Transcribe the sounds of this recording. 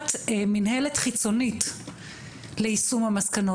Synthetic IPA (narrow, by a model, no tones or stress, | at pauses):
tminɦeletχit͡so̞nit | leisumhamaskano